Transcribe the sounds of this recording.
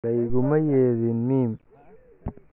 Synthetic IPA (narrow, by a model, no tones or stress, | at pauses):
ɐjɣʊmɐjɛːðinːim